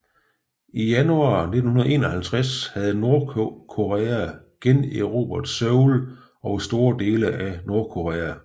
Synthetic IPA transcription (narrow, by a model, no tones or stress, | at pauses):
ijænuɑ̰̈ːne̝d̥n̩hunɐðˠe̝ːnɒhælt͡sʰʁashæð̞̩ˠno̝ɐkʰo̝ʁɛæ | ɡ̥eneʁo̝̰b̥ɐd̥søʊl | ɒ̽ʊsd̥o̝ːɐd̥e̝ːləʔæno̝ɐkʰo̝ʁɛːæ